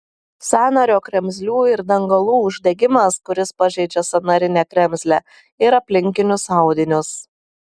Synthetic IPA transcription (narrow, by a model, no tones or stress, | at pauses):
sʲæːnɐɾʲoːkɾʲɛmʲzʲlʲuːɪɾd̪ɐŋɡɐlˠuːʊʒʲd̪ʲɛɡʲɪmɐskʊɾʲɪspɐʒʲɛɪd͡ʒʲɛsɐnɐɾʲɪnʲɛkɾʲɛmʲsʲlʲɛ | ɪɾɐpʲlʲɪŋʲkʲɪnʲʊsɑˑʊd̪ʲɪnʲʊs